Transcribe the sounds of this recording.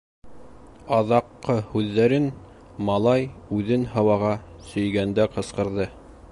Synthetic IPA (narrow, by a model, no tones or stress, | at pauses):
ɑðɑqːɤhʉðːæɾɘn | mɑlˠɑjʉðɘnɦɤ̆wɑʁɑ | sɵ̆jɡænd̪æqɤ̆sqɤ̆ɾðɤ